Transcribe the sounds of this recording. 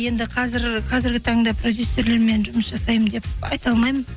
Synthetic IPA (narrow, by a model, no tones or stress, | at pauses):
je̞nd̪ɪqʰɑzɪɾqʰɑzɪɾɡʲɪt̪ʰɑɴd̪ɑpʰrod̪jusːe̞ɾle̞ɾme̞nʒʊməsʒɑsɑjəmd̪e̞p̚ɑ̰jt̪ɑlˠmɑjmən